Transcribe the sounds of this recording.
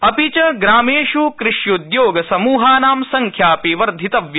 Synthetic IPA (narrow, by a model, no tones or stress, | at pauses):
ɐpit͡ʃɐɡɾaːmeːʃukɾɪʂjud̪joːɡɐsɐmuːɦaːnaːmsɐŋkʰjaːpiʋɐɾd̪ʱit̪ɐʋjɐ